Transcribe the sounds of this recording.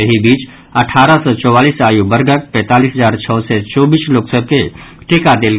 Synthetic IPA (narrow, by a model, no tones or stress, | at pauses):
əɦibiːt͡ʃ | əʈʰaːɾəsɔt͡ʃɔːwaːliːsaːjubəɾɡət̪̚pɛ̃ːt̪aːliːsɦəzaːɾt͡ʃʰɔːsɛt͡ʃɔːbiːsloːksəb̚ke | ʈekad̪eːlɡ